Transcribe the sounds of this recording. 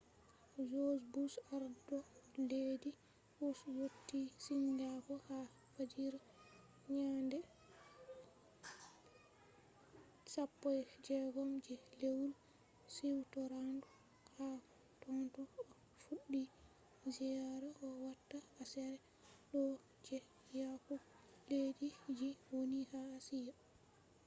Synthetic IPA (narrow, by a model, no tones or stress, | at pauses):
d͡ʒozbusaɾdɔleːdi | uswotːisiɲɡaɡɔha | fad͡ʒiɾ | ɲandɛ | sapːɔjd͡ʒɛɡɔmd͡ʒɛlewul | siwtɔɾandu | ha | tɔntuɔ | fuɗːi | zijaɾaʔɔwatːaːsɛɾɛ | ɗɔ | d͡ʒɛ | jaku | ledid͡ʒiwonihaːsija